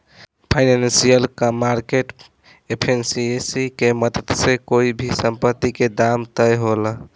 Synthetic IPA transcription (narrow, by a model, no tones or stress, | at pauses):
pʰaɪnannsijəlkmaɾkeʈ | epʰensiesikeməd̪ət̪sekoibʱisəmpət̪ːiked̪amt̪əjɦolə